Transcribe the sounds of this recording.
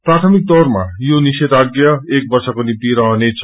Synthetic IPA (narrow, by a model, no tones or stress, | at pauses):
prat̪ʰʌmik̚t̪ʌrmajoniset̪aɡjʌek̚bʌrsʌkonimt̪iɾʌɦʌnet͡sʰ